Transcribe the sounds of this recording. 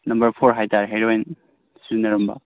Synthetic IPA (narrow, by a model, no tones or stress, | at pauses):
nɐmbɐɾpʰoɾɦajtʰaɾɦeɾojn | sunɐɾumbɐ̰